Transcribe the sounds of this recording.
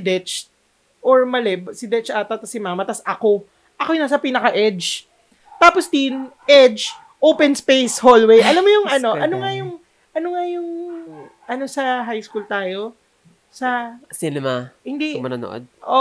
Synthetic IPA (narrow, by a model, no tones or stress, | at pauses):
d̪ɛt͡ʃt̪̚ | ʔoɹmɐlɛbsɪd̪ɛt͡ʃat̪ːɐt̪ɐsɪmaːmɐt̪ɐsʔɐko̞ | ʔɐkojnasɐpiːnɐkɐʔɛd͡ʒ | t̪aːposd̪inʔɛd͡ʒ | ʔowpɛnspejsholwejʔɐlamːojʊŋɐno̞ʔɐnoŋajʊŋ | ʔɐnoŋajʊŋ | ʔɐno̞sɐɦajskuːlt̪aːjo | sɐsinɛmahɪnd̪imɐnoːno̰ʔo̰d̪̚ʔo